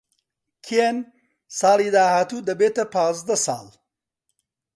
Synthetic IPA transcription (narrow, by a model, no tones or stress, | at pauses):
kʰen | saːliːd̪aːhaːt̪uːd̪ɐbeːt̪ɐpãːzd̪ɐsɑ̰ːl